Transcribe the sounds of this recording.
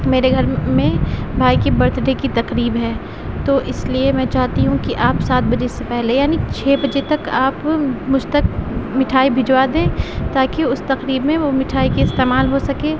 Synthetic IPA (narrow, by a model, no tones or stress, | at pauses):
meːɾeɡʱɐɾmẽbʱaːikibɐɾt̪ɖekit̪ɐqɾiːbɦɛː | t̪oʔɪsliemɛ̃ːt͡ʃaːɦt̪iɦũkiʔaːpsaːt̪̚bɐd͡ʒesepɛɦlejaːnit͡ʃʰeːbɐd͡ʒet̪ɐkaːpmʊd͡ʒʱt̪ɐk̚mɪʈʰaːibʱɪd͡ʒwad̪ẽːt̪aːkiʊst̪ɐqɾiːbmẽʋomɪʈʰaːikeɪst̪eːmaːlɦosɐkẽː